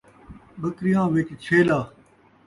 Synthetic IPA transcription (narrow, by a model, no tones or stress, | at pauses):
ɓəkɾɪjãːʋɪt͡ʃt͡ʃʰeːlaː